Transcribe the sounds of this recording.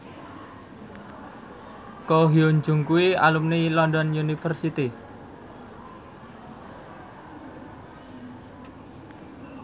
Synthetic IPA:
koɦioɲd͡ʒṳŋkuwia̰lumnilɔndɔnjunifərsit̪i

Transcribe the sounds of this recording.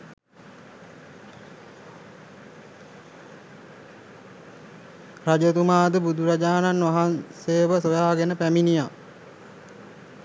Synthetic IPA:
rad͡ʒət̪umaːd̪əbud̪uɾad͡ʒaːnanʋaɦanseːʋəsojaːɡenəpæminija

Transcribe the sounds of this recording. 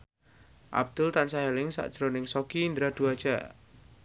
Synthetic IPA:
ʔa̰b̚d̪̥ʊlt̪ansaɦelɪŋsa̰ʔd̥ʒ̥ɾonɪŋsokiːnd̪ɾad̪̥uad̥ʒ̥a

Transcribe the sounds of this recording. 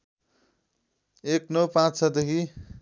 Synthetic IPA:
eknʌpãt͡st͡sʰʌd̪ekʰi

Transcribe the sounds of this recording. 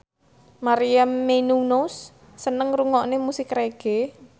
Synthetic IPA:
maɾijamːenunosː | ənəŋruŋɔʔnemusikreɡ̥e

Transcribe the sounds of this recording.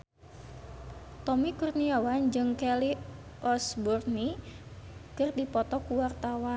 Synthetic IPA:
t̪ɔmikurniawand͡ʒɨŋkɛli | ʔɔsburni | kɨrdipɔt̪ɔkuwart̪awan

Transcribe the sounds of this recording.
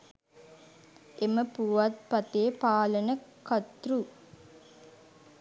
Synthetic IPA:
ʔeməpuʋɐt̪̚pɐt̪eːpaːlənəkɐt̪ɾu

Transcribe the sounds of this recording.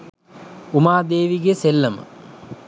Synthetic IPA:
umaːd̪eːʋiɡeselːəmə̰

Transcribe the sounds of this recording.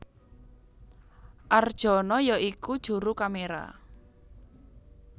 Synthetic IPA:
ʔard̥ʒ̥ɔ̤nɔjɔʔikud̥ʒ̥ṳɾukameɾa̰

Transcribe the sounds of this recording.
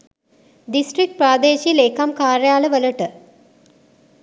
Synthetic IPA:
ɖisʈɾik̚ʈ̚pɾaːd̪eːʃiːleːkɐmkaːɾjaːləʋələʈə

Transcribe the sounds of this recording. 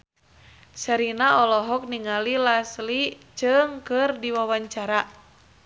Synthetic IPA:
səɾinaɔlɔɦɔk̚niŋalilaslit͡ʃɨŋkɨrdiwawaɲt͡ʃaɾa

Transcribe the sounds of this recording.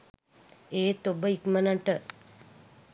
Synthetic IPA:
eːt̪obəikmənaʈə

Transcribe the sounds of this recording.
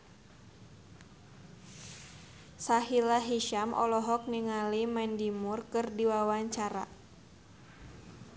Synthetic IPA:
saɦilaɦiʃamʔɔ̰lɔɦɔk̚niŋalimɛndimʊrkɨrdiwawaɲt͡ʃaɾa̰

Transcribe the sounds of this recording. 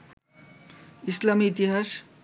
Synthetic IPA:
islamiːt̪iɦas

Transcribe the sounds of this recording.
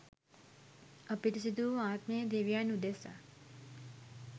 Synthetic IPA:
əpit̪is̬id̪uːaːt̪mejəd̪eʋijanud̪esa̰

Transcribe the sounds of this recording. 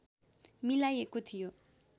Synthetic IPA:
milajekot̪ʰijo

